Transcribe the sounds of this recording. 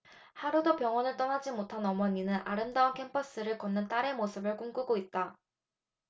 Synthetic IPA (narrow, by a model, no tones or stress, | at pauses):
haɾudopjʌŋwʌnɯɭt͈ʌŋad͡ʑimotʰanʌmʌɲinɯnʔa̰ɾɯmdaunkʰe̞mpʰʌs͈ɯɾɯɭkʌnːɯnt͈aɾe̞mosʰɯbɯɭk͈uŋɡuɡoit̚t͈a